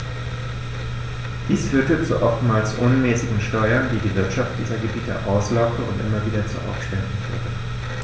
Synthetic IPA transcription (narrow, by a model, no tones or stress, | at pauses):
d̥iːsfyːɐtət͡suʔɔftmaːlsʔʊnmɛːsɪɡŋ̩ʃtɔʏɐndiːdiːvɪɐtʃaft̚d̥iːzɐɡəbiːtə̰ʔaʊslaʊktəʊ̰ntʔɪmɐviːdɐt͡sṵʔa̰ʊfʃpɛndŋ̩fy̰ːɐtə